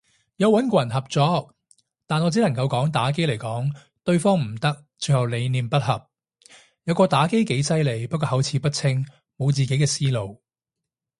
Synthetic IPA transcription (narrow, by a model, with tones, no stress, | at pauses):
jɐ˨˧wɐ˨˥nkɔ˨ɐ˨˩nɦɐ˨p̚t͡sɔː˨k̚ | t̪aː˨nɔ˨˧t͡s̬iː˨˥lɐ˨˩ŋkɐ˧wkɔː˨˥ŋt̪aː˨˥k̬e˥jle˨˩jkɔː˨˥ŋ | t̪ɵ˧ɥfɔː˥ŋm̩˨˩t̪ɐ˥k̚t͡sɵ˨˧ɥhɐ˨˩wle˨˧jniː˨˧mpɐ˥t̚hɐ˨p̚ | jɐ˨˧wkɔː˧t̪aː˨˥ke˥jke˨˥jsɐ˥jle˨˧jpɐ˥kːɔː˧ɦɐ˨˥wt͡sʰiː˨˥pɐ˥t̚t͡sʰɪ˥ŋ | mo˨˧wt͡siː˨ke˨˥jkɛː˧siː˥lo˨˧w